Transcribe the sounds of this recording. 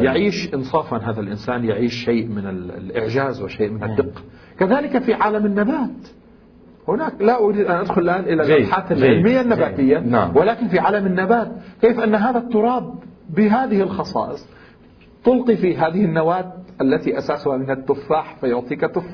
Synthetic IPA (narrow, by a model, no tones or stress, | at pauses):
jaʕiːʃʔɪnsˤɑːfɑnɦaːðalʔɪnsaːnjaʕiːʃːejʔmɪnɪllʔɪ̰ʕd͡ʒaːzwɪʃeːʔmɪnɪd̪ːɪqːḁ | kaðaːlɪkafiʕaːlamɪnːabaːt̪ | hʊnaːklaʔʊɾiːd̪ʔanʔad̪xʊlɪlʔaːnʔɪlalʔaħaːt̪alʕɪlmɪjːanːabaːt̪ɪjːawɪlaːkɪnfiʕaːlamɪnːabaːt̪̚keːfʔanːɦaːðat̪ːʊɾˤɑːbːɪɦaːðɪhɪlxɑsˤɑ̰ːʔɨsˤ | t̪ʊlqifiɦaːðɪhɪnːawaːt̪̚ʔalːat̪iʔasaːsʊhamɪnhat̪ːʊfːaːħfajʊʕt̪ˤiːkat̪ːʊfː